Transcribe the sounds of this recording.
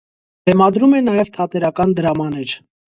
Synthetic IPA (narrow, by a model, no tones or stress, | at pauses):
b̪̥ɛmɑd̪ɾumɛnɑjɛvt̪ʰɑt̪ɛɾɑkɑnd̪əɾɑmɑnɛɾ